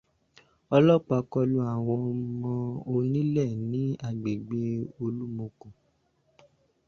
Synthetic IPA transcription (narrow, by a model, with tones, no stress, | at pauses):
ɔ˧lɔ˦˨k͡pa˧kɔ˧lu˧˦a˨w̃ɔ̃˧mɔ̃˧o˧nĩ˦lɛ˦˨nĩ˨˦a˦˨ɡ͡be˨ɡ͡be˦o˧lu˦mo˧kũ˨